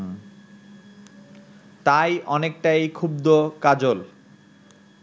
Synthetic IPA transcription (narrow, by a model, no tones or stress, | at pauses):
t̪ajʔɔnek̚ʈajkʰub̚d̪okad͡ʑol